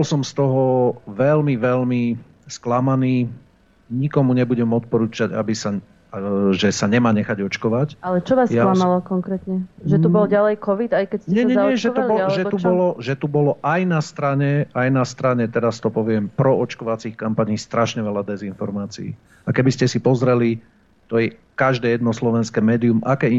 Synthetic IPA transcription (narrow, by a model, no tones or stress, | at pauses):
bɔlsɔmst̪ɔɦɔʋɛlmiʋɛʎmi | sklamaniː | ɲikɔmuɲɛbuɟɛmɔt̪̚pɔɾuːt͡ʃaɟa̰bisa | ʒɛsaɲɛmaːɲɛxaɟɔt͡ʃkɔʋacalɛt͡ʃɔʋasjalamalɔkɔŋkɾɛːt̪ɲɛʒɛubɔlɟalɛjkɔʋid̪ajkɛcsɲɛɛɲɛɲɛʒɛulbɔʒɛubɔlɔʒɛt̪ubɔlɔʔajnast̪ɾaɲɛajnast̪ɾaɲɛt̪ɛɾast̪ɔpɔʋɪɛmpɾɔɔt͡ʃkɔʋat͡sixkampaɲiːst̪ɾʔaʃɲɛʋɛlad̪ɛzinfɔɾmaːt͡sḭḭː | akɛbiscɛsipɔzɾɛli | t̪ɔjɛ | kaʒd̪ɛːjɛd̪nɔslɔʋɛnskɛːmɛːd̪iumʔakɛ